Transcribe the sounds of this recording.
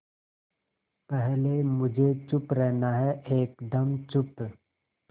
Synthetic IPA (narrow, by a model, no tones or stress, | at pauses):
pɛɦlemʊd͡ʒʱet͡ʃʊpɾɛɦnaɦɛʔeːkd̪ɐmt͡ʃʊp